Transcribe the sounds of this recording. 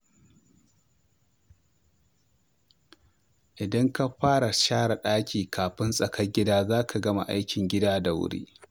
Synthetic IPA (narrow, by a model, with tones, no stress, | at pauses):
ʔɪ˨dɐ˦ŋka˦ɸaː˦ɽa˨ʃaː˦ɽa˨ɗaː˦kʲʰiː˨kʰaː˨ɸɪ˦nsʼɐ˨kɐ˦ɡʲɪ˦daː˦zaː˦kʰa˨ɡɐ˦ma̰˨ʔa̰˦jkʲɪ˨ŋɡʲɪ˦daː˦da˨wʊ̰˦ɽḭː˦